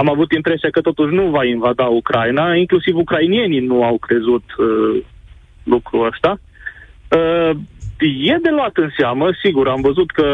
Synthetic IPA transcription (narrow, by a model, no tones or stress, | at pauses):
amavut̪impɾe̞siakət̪o̞t̪uʃ̬nuvainvad̪aukɾajnaiŋklusivukɾainie̞ninuawkɾe̞zut̪ə | lukɾuəst̪a | ə | je̞d̪e̞loat̪ɨnseaməsiɡuɾamvəzut̪kə